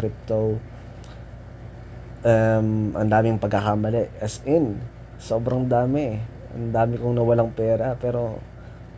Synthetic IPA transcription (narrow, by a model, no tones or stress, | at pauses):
ɾip̚t̪o | ʔɐmʔɐ̰nd̪aːmɪŋpɐɡ̚akamɐlɛʔʔɛsʔɪn | so̞ːbɾɐŋd̪aːmɪ | ʔɐ̰nd̪aːmɪkʊŋnɐwɐlaŋpɛːɾɐpɛːɾo̞̰